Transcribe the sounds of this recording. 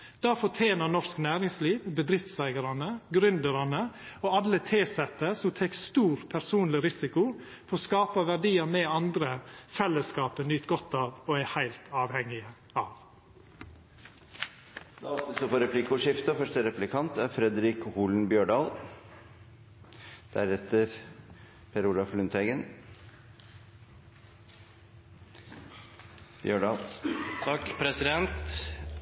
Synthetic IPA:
d̪̥ɑːfɔʈʰjeːnənɔʂknæːɾɪŋsliːʋbəd̪ɾɪft̪sæɪɡəɾɑnəɡɾʉnd̪əɾɑnəoːɑlət̪ʰeːsɛt̪ːəsɔmt̪ʰɛkst̪uːɾpʰæɾsuːnlɪɾɪsɪkʊ | pʰɔɾɔːskɑːpɑʋæɖiːəɾmɛːɑnd̪ɾəfɛlːəskɑːpənyːt̪ɡɔt̪ɑːʋoːæhæɪlt̪ʰɑːʋhɛŋɪə | ɑːʋ | d̪̥ɑɔt̪əsɔfɔɾɛpʰlɪkʊʂɪft̪əɔfœʂʈəɾɛplɪkʰɑnt̪æɾfɾɛd̪ɾɪkhuːln̩bjøːɖɑːl | d̪̥æɾɛt̪ːəɾ | pʰeɾuːlɑflʉnt̪ʰhɛɡən | bjøːɖɑːlt̪ʰɑkpʰɾɛsɪd̪ɛnt̪

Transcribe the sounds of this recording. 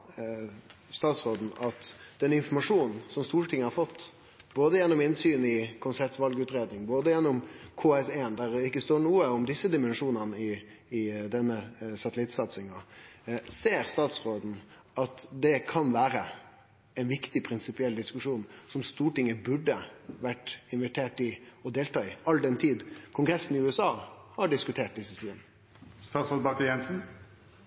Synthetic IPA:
st̪ɑːt̪sɾoːd̪n̩ɑt̪d̪̥ɛnɪnfɔmɑʂuːnnn̩sɔmst̪uːʈʰɪŋːəhɑɾfɔt̪ː | boːd̪əjɛnːɔmɪnsyːnɪkʰʊnsɛp̚t̪ʋɑlɡʉːt̪ɾeːd̪nɪŋboːd̪əjɛnːɔmkʰoːɛsɛːnd̪æɾɪkːəst̪oːɳuːəɔmd̪ɪsːəd̪ɪmɛnʂuːnənəɪː | d̪ɛnːəsɑt̪əlɪt̪sɑt̪sɪŋɑ | seːɾst̪ɑːt̪sʁoːd̪n̩ | ɑt̪d̪ɛkʰɑnʋæːɾə | ɛɪnʋɪkt̪ɪpʰɾɪnsɪpɪɛld̪ɪskʉʂuːnsɔmst̪uːʈɪŋəbʉɖːəʋæʈːɪnʋɛʈ̪ʰeːʈɪɔd̪eːlt̪ɑːɪɑld̪ɛnt̪ʰiːd̪kʰʊŋɡɾɛsːnɪʉːɛsɑːhɑɖɪskʉt̪ʰeːʈ̚d̪ɪsːət̪iːən | st̪ɑːt̪sɾoːd̪bɑkəjɛnsn̩

